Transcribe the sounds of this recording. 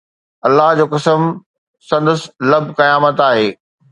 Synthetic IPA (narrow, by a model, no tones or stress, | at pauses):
ɐlːaɦd͡ʑoːkɐsəm | sɐ̃nd̪əslɐbʱkɐjaːmət̪aːɦeː